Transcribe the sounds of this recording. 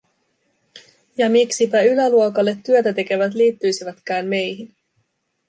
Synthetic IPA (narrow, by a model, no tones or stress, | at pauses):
jɑmiksipæylæluokɑlːe̞t̪ːyøt̪æt̪e̞ke̞ʋæt̪̬liːt̪ːyjsiʋæt̪k̟æːnme̞jɦin